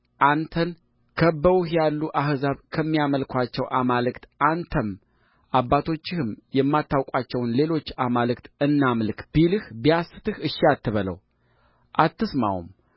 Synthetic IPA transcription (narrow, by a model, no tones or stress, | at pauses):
ʔant̪ʰən | kʰəbəwuhjalːuʔahzaβkʰəmːijaməlkʰʷat͡ʃːɛwʔamalɨkt̪ʔant̪ʰəm | ʔabːat̪ʰo̞t͡ʃːɪhɨmjɛmːat̪ːawkʼat͡ʃːɛwnle̞lo̞t͡ʃːamalɨkt̪ɨnːamlɨkb̥ilɨhbijasɨ̥t̪ʰɨhɨʃːiat̪ːɨβələ̰w | ʔat̪ːɨsma̰wṵm